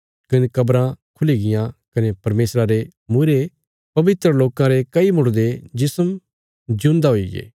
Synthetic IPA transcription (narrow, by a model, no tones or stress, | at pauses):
kɐnekɐbɾãkʰʊliɡɪjãkɐnepɐɾmeːsɾaɾemuɾe | pɐbɪt̪ɾəloːkãɾekɐimʊɽd̪ed͡ʒɪsəm | d͡ʒʊ̃nd̪aɦoiɡḛː